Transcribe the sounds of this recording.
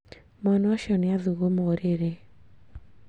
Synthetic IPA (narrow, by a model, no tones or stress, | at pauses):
mɔnɔʃɔnɪaðuɣomɔɾeɾe